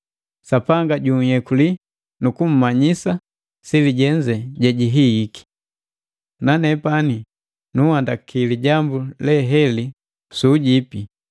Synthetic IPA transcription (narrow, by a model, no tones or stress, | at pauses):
sapaŋɡaɟuŋhɛkuli | nukum̩maɲisa | siliɟɛɲd͡ʒɛɟɛɟiɦiiki̥ | nanɛpani | nuhandakʰiliɟambulɛɦɛli | suːɟipi